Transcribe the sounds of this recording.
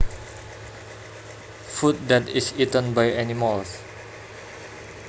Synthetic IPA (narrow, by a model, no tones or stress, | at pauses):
fut̚dɛtisitə̃nbajɛniməls